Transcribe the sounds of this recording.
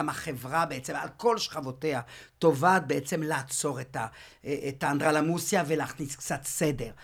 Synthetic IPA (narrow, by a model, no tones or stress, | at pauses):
amaχevʁabeet͡se̞ma̰lko̞lʃχavo̞tehat̪o̞vaːt̪̚beet͡se̞mleat͡so̞ʁet̪a | et̪aːnd̪ʁalamusjavelaːχniskt͡sat̪sede̞ʁ